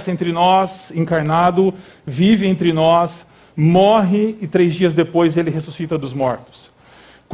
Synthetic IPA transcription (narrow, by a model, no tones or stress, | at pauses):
sẽnt̪ɾɪnɔsẽŋkaɾnad̪ʊ | vivɪẽnt̪ɾɪnɔs | mɔɦɪɪt̪ɾejzd͡ʒiɐzd̪epojzelɪɦesusit̪ɐd̪ʊzmɔɾt̪ʊ̥s | k